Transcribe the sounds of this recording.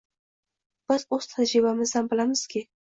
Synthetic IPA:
b̥ɪz̥oz̥t̪ʰad͡ʒɾɪbamɪzhambɪlamɪz̥kʲʰɪ

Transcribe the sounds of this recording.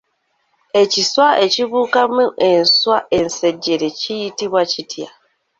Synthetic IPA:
et͡ʃiswaʔet͡ʃiβukamũʔen̩swaʔen̩sed͡ʒeɾet͡ʃijitiβwat͡ʃitʰia̰

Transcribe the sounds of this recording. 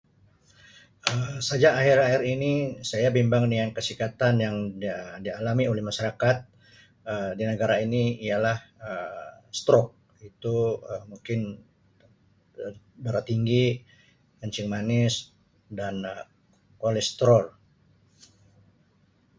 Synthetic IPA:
əsad͡ʒaʔːɦiɾaɦɪɾinisajabimbaŋdiŋankəsikat̪anjaŋdialamiolɛhmaʃaɾakat̪̚ | ədinəɡaɾainiialahəst̪ɾɔk̚ | it̪uəmuŋkɪn | baɾat̪iŋɡi | kəɲt͡ʃɪŋmanɪs | danə | kolɛst̪ɾɔl

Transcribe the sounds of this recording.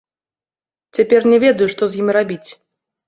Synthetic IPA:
t͡sʲapʲɛrnʲɛvʲɛd̪ɐjuʂt̪ɔzʲjimʲrabʲit͡sʲ

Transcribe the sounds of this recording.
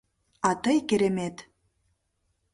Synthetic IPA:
ɑt̪ɤjkeɾemet̪

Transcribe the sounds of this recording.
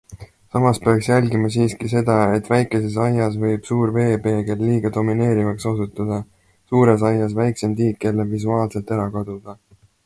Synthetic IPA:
sɑmɑspe̞ɑksjælɡimɑsiːskise̞d̪ɑe̞t̪ːˑvæjkːˑe̞se̞s̬ɑjɑsvɤ̞jb̥suːɾve̞ːpe̞ːɡelːiːɡ̥ɑd̪o̞mine̞ːɾivɑksosut̪ːˑɑd̪̥ɑ | suːɾe̞sɑjːɑsvæjkse̞md̪iːkke̞lːevisuɑːlse̞lt̪ːˑeɾɑkɑd̪̥ud̪̥ɑ

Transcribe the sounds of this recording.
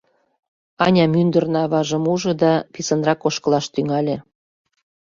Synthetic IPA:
ɑnʲɑmynd̪ərnɑβɑʒə̆muʒɤ̆d̪ɑpisə̆nrɑkoʃkɤ̆lɑʃt̪yŋɑlʲĕ

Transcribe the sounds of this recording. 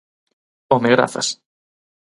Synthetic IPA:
omeɣɾa̰θa̰s

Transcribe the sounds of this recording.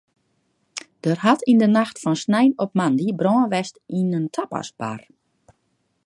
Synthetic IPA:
d̥ərɦatʰindənaxtfɔnsnɛjnɔp̚mandibrɔːənʋɛstinəntʰapa̰sba̰r

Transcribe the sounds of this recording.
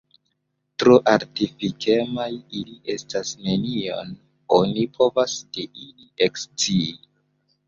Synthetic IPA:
tɾoʔaɾtifikʰe̞majiliʔe̞stasne̞nio̞̰n | o̞nipʰo̞vasdeʔiliekst͡siː

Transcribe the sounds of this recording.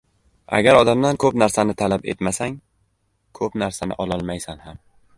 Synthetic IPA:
a̰ɡʲaɾɒd̪amd̪ankʰɵpnaɾsanɪt̪ʰalape̞̰t̪masaŋ | kʰɵpnaɾsanɪ̰ʔɒlˠɒlˠmajsanham

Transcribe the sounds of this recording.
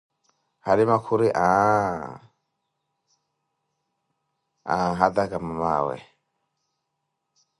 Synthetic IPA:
halimakʰuɾiʔa | a̰ɦad̪akamama̰wɛ̰

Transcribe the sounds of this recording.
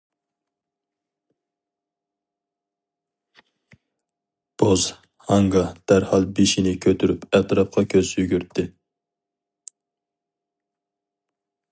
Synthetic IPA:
b̥oz̥ | hɑŋɡɑd̪̥æɾhɑlˠbeʃinɪkʲʰøt̪ʰyɾypɛt̪ɾɑp̚qʰɑkʲʰøz̥jyɡʲyɾt̪ʰːɪ

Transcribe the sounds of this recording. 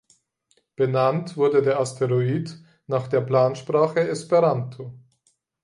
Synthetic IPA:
b̥ənantv̥ʊɐdədeːɐastʰeʁoiːd | naːχd̥eːɐpl̥aːnʃpʁ̥aːχəɛspeʁantʰo

